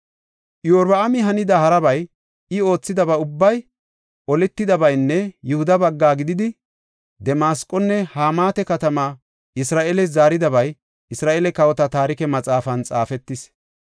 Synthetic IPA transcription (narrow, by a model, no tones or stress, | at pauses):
ʔjoːɾbɐɐmɪɦɐnɪd̪ɐhɐɾɐbɐj | ɪo̞ːt͡sːɪd̪ɐbɐʊbːɐj | ʔɔlɛt̪ːɪd̪ɐbɐjnːɛjʊhʊd̪ɐbɐɡːaːɡɪd̪ɪd̪ɪ | d̪ɛmaːskʼːɔnːɛhaːmaːt̪ɛkɐt̪ɐmaː | ʔɪsɾaːʔelɛzaːɾɪd̪ɐβɐj | ɪsɾaːʔelɛkɐwɔt̪ɐt̪aːɾɪkɛmɐt͡sʼaːfɐnt͡sʼa̰ːfɛt̪ːɪs